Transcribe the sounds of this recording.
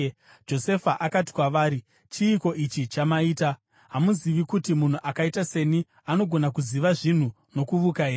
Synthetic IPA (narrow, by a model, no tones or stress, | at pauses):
d͡ʒo̞se̞faʔakati̥kwaʋaːɾi | t͡ʃiːko̞ʔit͡ʃit͡ʃamaiːta | ɦamuziʋikutimun̤uʔakaitase̞ni | ano̞ɡʱo̞nakuziʋaʐin̤u | no̞kuʋukaɦeː